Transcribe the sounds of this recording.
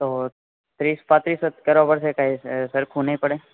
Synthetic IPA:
t̪o | t̪ɾispãt̪ɾisəkəɾʋapəɽsekaisəɾkʰũnəipəɽe

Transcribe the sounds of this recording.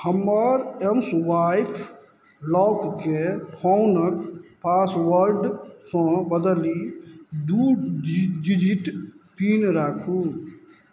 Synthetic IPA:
həmːəɾemswaːjpʰ | lɔːkkepʰɔʊnəkpaːswəɾɖsɔ̃bəd̪əlid̪u | d͡ʒid͡ʒiʈt̪iːnɾaːkʰuː

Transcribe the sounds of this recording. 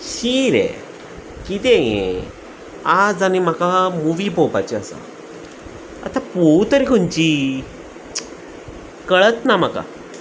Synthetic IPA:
ɕiɾḛ | kit̪ejḛ̃ | ad͡zanim̤akamuʋiːpowpat͡ɕiasa̰ | a̰t̪apot̪əɾikʰoɲt͡ɕi | kəɭət̪nam̤aka̰

